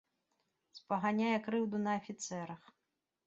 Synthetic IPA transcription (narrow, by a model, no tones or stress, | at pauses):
spɐɣanʲajɛkɾɨwd̪unɐːfʲit̪sɛɾɐx